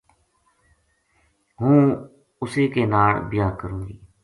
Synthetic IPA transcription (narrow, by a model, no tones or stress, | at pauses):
ɦũː | ʊseːkeːnaːlbɪjaːkəɾũːɡiː